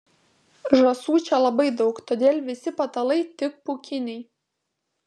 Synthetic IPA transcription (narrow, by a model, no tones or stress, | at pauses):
ʒɐsuːt͡ʃʲɛlˠɐbɐɪd̪ɒʊkt̪oːd̪ʲeːlʲˠʋʲɪsʲɪpɐt̪ɐlˠɐɪt̪ʲɪk̚pʊkʲɪnʲɛɪ